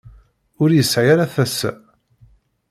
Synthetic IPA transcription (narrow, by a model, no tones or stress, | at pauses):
ʊɾjəsʕijaɾaθæsːæ